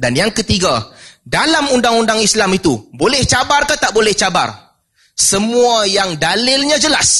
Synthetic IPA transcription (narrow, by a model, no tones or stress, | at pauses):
danjaŋkət̪iɡadalamundaŋundaŋislamit̪ubolɛht͡ʃabarkat̪aʔbolɛht͡ʃaba̰r | səmũajaŋdalɪlɲãd͡ʒəlas